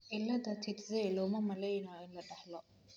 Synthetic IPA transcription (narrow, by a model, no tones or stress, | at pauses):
ħɪlːɐd̪ɐt̪ʰɪt̪zɛjlɔːmɐmɐlɛjnɔɪnlɐɖɑħlɔ